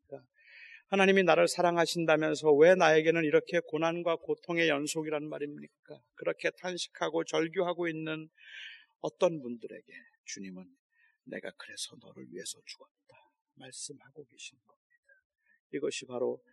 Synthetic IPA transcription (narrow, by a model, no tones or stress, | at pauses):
k͈a | hanaɲiminaɾɯɭsʰaɾaŋɦaɕʰindamjʌnsʰʌwe̞naeɡe̞nɯniɾʌkʰe̞konanɡwakotʰoŋe̞jʌnsʰoɡiɾaɯnmaɾimɲik͈akɯɾʌkʰe̞tʰanɕʰi̥kʰaɡot͡ɕʌɭɡjoɦaɡoinːɯn | ʌt͈ʌnpundɯɾe̞̰ɡe̞t͡ɕuɲimɯnː | e̞̰ɡa̰kɯɾe̞sʰʌnʌ̰ɾɯ̰ɭɥḭɦe̞sʰʌt͡ɕu̥ɡ̥ʌt̚t͈a | maɭs͈ɯmhaɡoɡe̞ɕʰinɡʌmɲid̥a | iɡʌɕʰipaɾo